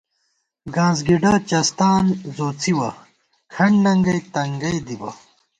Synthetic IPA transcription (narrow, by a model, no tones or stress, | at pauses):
ɡãːzɡiɖat͡ɕɐst̪aːnzoːt͡sʰiwɐ | kʰɐɳnɐŋɡɐjt̪ɐŋɡɐjd̪ibɐ̰